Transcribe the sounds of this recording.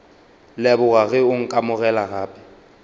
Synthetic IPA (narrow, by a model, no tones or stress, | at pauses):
lɛbʊɣaɣɛʊŋ̩kʼamʊɣɛlaɣaːpʼɪ̥